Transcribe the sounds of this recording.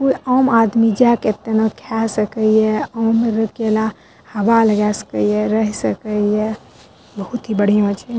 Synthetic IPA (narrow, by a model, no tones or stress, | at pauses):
kuiɔmad̪mid͡ʒaket̪ːenɔkʰasəkəjeɔmɾəkela | həʋaləɡasə̥kəjeɾəɦisəkəje | bəɦut̪ɦibəɽ̤ijãt͡ʃʰi